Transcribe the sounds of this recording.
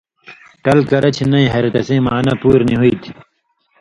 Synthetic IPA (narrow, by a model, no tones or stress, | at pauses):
ʈɐlkɐɾɐt͡ɕʰnɐĩɦɐɾt̪ɐsẽːmaːnɐpuːɾniɦuit̪ʰi̥